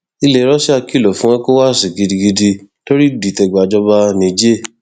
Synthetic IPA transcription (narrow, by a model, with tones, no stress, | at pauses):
i˧le˨˦ɾɔ˦si˦a˧ki˦˨lo˨fũ˨˦ã˦ko˦wa˦˨si˨ɡi˧di˧ɡi˧di˧to˦ɾi˦di˨tɛ˧˨ɡ͡ba˨d͡ʒɔ˧ba˧nĩ˨d͡ʒe˦˨